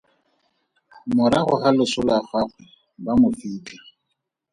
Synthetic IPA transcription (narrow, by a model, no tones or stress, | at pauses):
mʊɾaχʊχalʊsʊlaχaχwɛ | bamʊfiːda